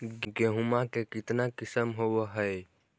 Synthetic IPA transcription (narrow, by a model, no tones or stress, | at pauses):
ɡɡeɦumakekɪt̪nakɪsəmɦowɦəj